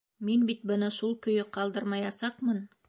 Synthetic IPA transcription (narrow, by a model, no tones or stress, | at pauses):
minbit̪̚bɤnɑʃulˠkɵ̆jɵqɑlˠd̪ɤɾmɑjɑsɑqmɤn